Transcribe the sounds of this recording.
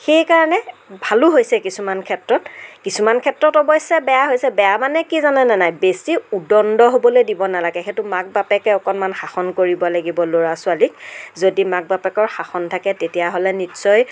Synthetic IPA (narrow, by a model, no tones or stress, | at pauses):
xejkaɹanɛbʱaluɦojsɛkisumankʰɛtɹɔtkisumankʰɛtɹɔtɔbɔjsɛbɛjaɦojsɛbɛjamanɛkizanɛnɛnajbesiudɔndɔɦobɔlojdibɔnalaɡɛxetumak̚bapɛkɛɔkɔnmanxaxɔnkoɹibɔlaɡibɔloɹasʊalik̚zodimak̚bapɛkɔɹxaxɔntʰakɛtetijaɦolɛnitsɔj